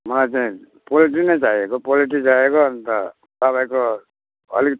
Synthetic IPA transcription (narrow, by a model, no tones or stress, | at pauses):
mʌlajt͡saĩ | poliʈ̬inʌjt͡saiekopoliʈ̬id͡zaekoʌnt̪ʌ | t̪ʌpaj̃ko | ʌ̰lik